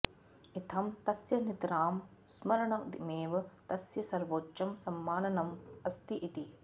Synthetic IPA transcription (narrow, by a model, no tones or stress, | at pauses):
it̪ʰɐmt̪ɐsjɐnit̪ɾaːmsmɐɾɐɳɐmd̪imeːʋɐt̪ɐsjɐsɐɾʋoːʃɐmsɐmːaːnɐnɐmɐst̪iʔit̪i